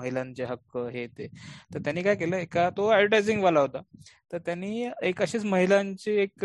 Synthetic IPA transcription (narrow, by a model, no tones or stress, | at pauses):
əɦilãɲt͡ɕeɦəkəɦet̪et̪əɾt̪janːiːkajkeləːekat̪oaəʈajd͡ziŋɡʋalaɦot̪a | t̪əɾt̪janːiːekəɕiːt͡sməɦilãɲt͡ɕiek